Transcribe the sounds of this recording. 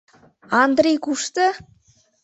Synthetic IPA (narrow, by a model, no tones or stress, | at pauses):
ɑnd̪rʲejkuʃt̪ɤ